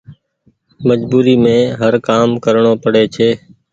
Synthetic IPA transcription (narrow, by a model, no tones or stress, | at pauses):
məd͡ʒbuːɾiːmẽːɦəɾkaːmkəɾɳoːpəɽeːt͡ʃʰeː